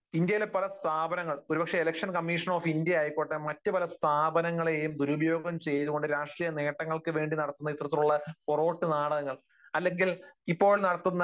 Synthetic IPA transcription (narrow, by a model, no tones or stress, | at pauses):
ind̪jɐjlepːɐlɐst̪ʰaːbɐnɐŋːɐɭo̞ɾubɐkʂe̞elɐkʂɐnkɐmːiʂɐnoːfind̪jɐjaːjipːoːʈːɐmɐtːɨpɐlɐst̪ʰaːbɐnɐŋːɐɭe̞jumd̪uɾubɐjo̞ːɡɐmt͡ɕe̞jɐðuɣo̞ɳɖɨɾaːʂʈrijɐne̞ːʈːɐŋːɐɭkɨʋe̞ːɳɖinɐɽɐt̪ːunːɐit̪rɐt̪ːiluɭːɐporo̞ːʈːɨnaːɽɐɐŋːɐɭ | ɐlːe̞ŋɡilipːo̞ːɭnɐɽɐt̪ːunːɐ